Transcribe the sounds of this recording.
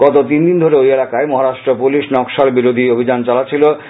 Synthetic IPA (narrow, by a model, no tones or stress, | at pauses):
ɡ̥ɔt̪ot̪ind̪ind̪ʱoɾeojelakaemɔɦaɾaʃʈɾopuliʃnɔkʃalbiɾod̪ʱiobʱid͡ʑant͡ɕalat͡ɕʰilo